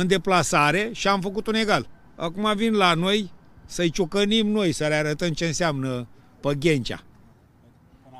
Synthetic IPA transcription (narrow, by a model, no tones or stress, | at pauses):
ɨnd̪e̞plasaɾe̞ʃiamfəkut̪une̞ɡal | a̰kumavinlanoj | səjt͡ʃokənimno̞jsəleaɾət̪əmt͡ʃe̞ɨnseamnə | pəɡʲe̞nt͡ʃʲa̰